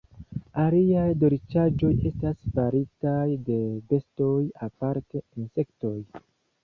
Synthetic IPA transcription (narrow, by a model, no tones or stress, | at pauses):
aliajdo̞ɾit͡ʃad͡ʒo̞je̞stasfaɾitajde̞be̞sto̞japaɾte̞inse̞kto̞j